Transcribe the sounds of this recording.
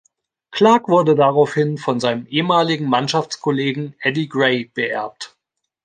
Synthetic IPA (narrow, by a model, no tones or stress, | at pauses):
kʰl̥aːkv̥ʊɐdədaʁaʊfhɪnfɔnzaɪnəmʔeːəmaːlɪɡŋ̩manʃaft͡skʰoleːɡŋ̩ʔɛdiɡʁeɪb̥əʔɛ̰ɐp̚t